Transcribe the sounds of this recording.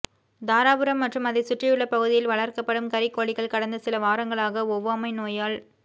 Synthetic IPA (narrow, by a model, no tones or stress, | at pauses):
d̪aːɾaːbɯɾɐmːɐʈrɯmɐðɪsʊʈrɪjɯɭːɐpɐɣɯðɪjɪlʋɐɭɐrkɐpːɐɽɯmkɐɾɪkːoːɭɪɣɐɭkɐɽɐnd̪ɐsɪlɐʋaːɾɐŋɡɐɭaːɣɐɔʋːɐɐmɐɪnoːjaːɭ